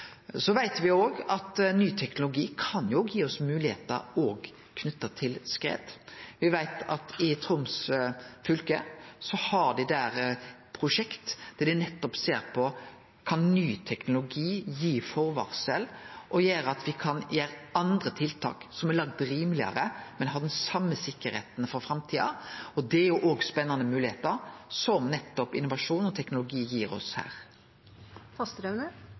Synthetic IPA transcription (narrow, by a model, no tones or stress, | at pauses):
sɔʋæɪt̪ʋɪoːɡɑt̪nyːt̪ʰɛknʊlʊɡiːkʰɑnjʊɔɡjiːɔsmʉːlɪhḛːt̪ə̰ɾoːɡ | kʰnʉt̪ːɑt̪ʰɪlskɾḛːd̪ʋɪʋæɪt̪ʰɑ̰t̪ɪt̪ʰɾʊmsfʏlkəsɔhɑɖɛd̪æːɾpʰɾʊʂɛkt̪d̪̥ɛd̪ɛnɛt̪ːɔpseːɾpʰɔ | kʰɑnnyːt̪ʰɛknʊlʊɡiːjiːfɔɾʋɑ̰ːʁsɛlʔɔjeːɾəɑt̪ʋɪkʰɑnjeːɾɑnd̪ɾət̪ʰɪlt̪ʰɑ̰ːksɔmɛlɑɡ̚d̪ɾiːmlɪɑ̰ɾəmɛnɦɑːd̪ɛnsɑmːəsɪkːəɾhḛːt̪nfɔɾfɾɑmt̪ʰiːɑ̰ɔd̪ɛæɾjʊʔoːɡspɛnːɑnəmʉːlɪheːt̪əɾsɔmnɛt̪ːɔpɪnʊʋɑʂuːnɔt̪ʰɛknʊlʊɡiːjiːɾɔ̰shæ̰ːɾ | fɑst̪əɾœʋnə